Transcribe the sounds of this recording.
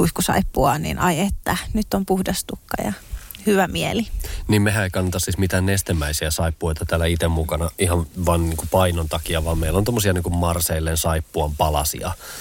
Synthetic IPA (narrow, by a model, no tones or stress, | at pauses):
uiskusɑ̰ipːuɑːnḭnʔɑjet̪ːænyt̪ːompuhdɑst̪ukːɑ̰jɑ̰hyʋæmieliniːmmeɦæeikɑnːɑt̪ɑsismit̪æːnːest̪emːæisiæsɑipːuojt̪ɑt̪æːlæit̪emmukɑnɑihɑnʋɑnniːŋkupɑinont̪ɑkiɑʋɑːmmeilːont̪omːosiɑniːŋkummɑrseilːeːnsɑipːuɑmpɑlɑ̰sḭɑ̰